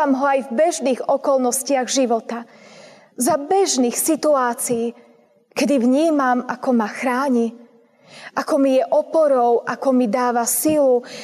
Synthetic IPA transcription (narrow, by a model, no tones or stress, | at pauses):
amɦɔajvbɛʒniːɣɔkɔlnɔscɪaɣʒiʋɔt̪a | zabɛʒniːxsit̪uaːt͡siji | kɛd̪ivɲiːmamakɔmaxɾaːɲi | ʔakɔmijɛʔɔpɔɾɔʊʔakɔmid̪aːʋasilu